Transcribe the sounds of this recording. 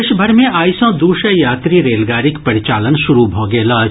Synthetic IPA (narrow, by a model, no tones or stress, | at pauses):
ʃbʱəɾmẽʔaːjsõːd̪uːʃəjaːt̪ɾiɾeːlɡaːɾɪkpɐɾɪt͡ʃaːlənʃʊɾubʱoːɡeːlaː